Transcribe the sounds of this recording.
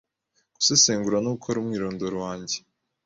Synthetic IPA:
ɡ̥u̥seseːŋɡuɾanuɡukʰoɾumŋiːɾoːndoɾwaːɲɟe

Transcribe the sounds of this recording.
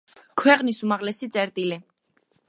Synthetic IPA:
kʰwɛqʼnisumaʁlɛsit̪sʼɛɾt̪ʼili

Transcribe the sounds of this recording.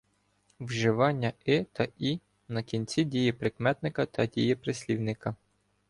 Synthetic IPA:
wʒɪʋɑnʲːɐɪt̪ʰɐi | nɐkʲinʲt͡sʲidʲijipɾɪkmɛt̪nɪkɐt̪ɐdʲijipɾɪsʲlʲiwnɪkɐ

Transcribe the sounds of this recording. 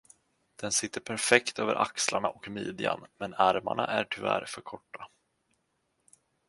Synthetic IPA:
d̪̥ɛnsɪt̪ːəɾpʰæɾfɛkt̪øːvəɾʔakslaɳaʔɔkmiːd̪ɪa̰nmɛnæɾmaɳaʔæʈʰʏvæːɾfœɾkʰɔʈːa

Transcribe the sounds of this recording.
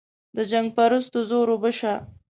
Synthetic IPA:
d̪əd͡ʒaŋɡ̚paɾusd̪əzoɾobəʃa

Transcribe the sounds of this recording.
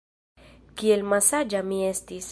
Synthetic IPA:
kielmasad͡ʒamiestis

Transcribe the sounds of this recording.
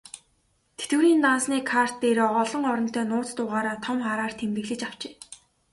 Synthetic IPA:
t̪ʰet̪ɘ̆ɾiːnt̪ansniːkʰar̥t̪ːeɾɔːɔɮɞ̆ŋɔɾɞ̆n̥t̪ʰœːnʊːt͡st̪ʊːʁaːɾaːt̪ʰɔmχaːɾaːr̥t̪ʰemt̪ɘ̆ɣɮɘ̆t͡ɕaw̥t͡ɕe̥ː

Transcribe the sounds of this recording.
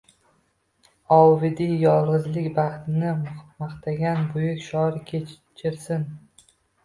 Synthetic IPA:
ɒwvɪd̪ijɒlˠʁɨzlɪkʲbɑχt̪ɪnɪmɑχt̪ʰaɡʲanbʊjʊkʲʃɒɾkʲʰe | t͡ʃʰɪɾsɪn

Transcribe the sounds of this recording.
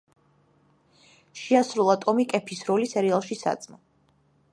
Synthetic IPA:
ʃiasɾulˠat̪ʼɔmikʼɛpʰisɾɔlisɛɾialˠʃisa̰t̪sʼmɔ

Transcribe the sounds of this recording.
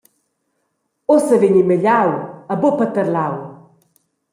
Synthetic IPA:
osəveɲiməʎawəbopət̪əɾlaw

